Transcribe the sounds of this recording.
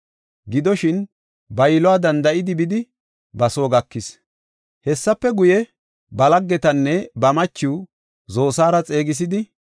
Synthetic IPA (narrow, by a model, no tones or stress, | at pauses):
ɡɪd̪ɔʃɪn | bɐjlɔaːd̪ɐnd̪ɐʔɪd̪ɪbɪd̪ɪ | bɐsoːɡɐkːɪs | hɛsːɐpːɛɡʊjɛ | bɐlɐɡːɛt̪ɐnːɛbɐmɐt͡ʃːɪw | zo̞ːsaːɾɐt͡sʼe̞ːɡɪs̬ɪd̪ɪ